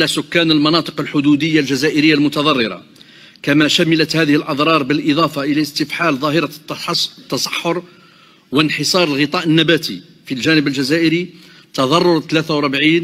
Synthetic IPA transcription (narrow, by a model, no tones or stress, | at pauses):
ʕlæsʊkːænəlmɑnɑt̪ˤə̥qəlħʊd̪ud̪əjːalʒæzæʔəɾəjːalmʊt̪ɑðˤɑrˤːəɾɑ̰ | kæmæʃæmələt̪hæd̪əhəlʔɑd̪ˤɾˤɑɾˤbəlʔɪd̪ˤɑfɑʔəlæst̪əfħalðˤɑɦəɾɑ | t̪ːɑsˤɑ̥ħːʊɾ | wənħəsˤɑɾˤəlɣət̪ˤɑʔənːæbæt̪ʰḭ | filʒænəbəlʒæzæʔəɾi | t̪ɑðˤɑrˤːʊɾˤt̪læt̪awɾˤbʕiːn